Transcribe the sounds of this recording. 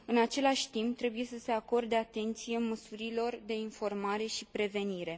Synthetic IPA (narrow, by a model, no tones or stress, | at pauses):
ɨnat͡ʃe̞laʃʲt̪impt̪ɾe̞buje̞səse̞ako̞rd̪eat̪e̞nt̪sije̞məsuɾilo̞rd̪e̞info̞rmaɾe̞ʃipɾe̞ve̞niɾe̞